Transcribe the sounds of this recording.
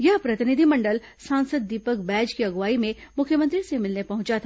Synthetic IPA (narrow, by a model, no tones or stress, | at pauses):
jɐɦpɾɐt̪ɪnɪd̪ʱimɐ̃ɳɖəl | sãːnsəd̪̚ːiːpəkbɛːd͡ʒkiɐɡʋaːimẽmʊkʰjəmə̃nt̪ɾisemɪlnepɐɦʊ̃t͡ʃat̪ʰa